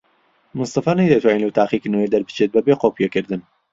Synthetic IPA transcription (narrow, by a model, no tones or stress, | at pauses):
mʊnst̪ɐfɐɾnajd̪at̪ʰwaːninlɐwt̪ʰaːqikɨnəwed̪ɐɾbɨ̥t͡ʃʰet̪̚bɐbeqoːpijekɨɾd̪ɨn